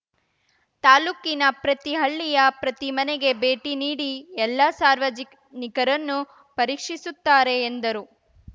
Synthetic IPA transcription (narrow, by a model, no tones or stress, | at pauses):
t̪aːluːkinɐpɾɐt̪iɦɐɭːijɐpɾɐt̪imɐneɡe̞beːʈiniːɽiɛlːɐsaːɾʋɐd͡ʒi | nikɐɾɐnːu | pɐɾiːkʂisut̪ːaːɾe̞ːnd̪ɐɾu